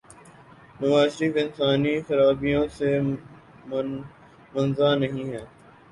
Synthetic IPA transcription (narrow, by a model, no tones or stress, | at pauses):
mɐʋaːʃɾɪfɪnsaːnixɐɾaːbijõse | mɐnzaːnɐɦĩɦɛː